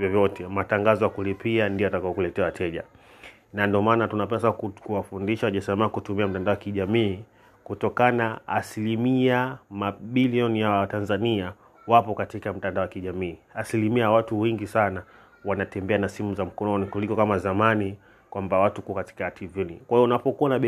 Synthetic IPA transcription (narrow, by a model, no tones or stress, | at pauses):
vjɔvjɔtʰɛmataŋɡazɔjakulipiandiɔjatakawɔkulɛtɛawatʰɛʄa̰ | nandiɔmaːnatunapɛasakuwafundiʃawaʄasamakutumiam̩tandaɔwakiʄamiː | kutɔkanaːsilimiamaɓiliɔnijawatanzania | wapɔkatikam̩tandaɔwakiʄamiːasilimiawatuwɛŋɡisana | wanatɛmbɛanasimuzam̩kɔnɔnikulikɔkamazamani | kwambawatukuakati̥katʰivɔnikwahijɔunapɔkuanaɓɛ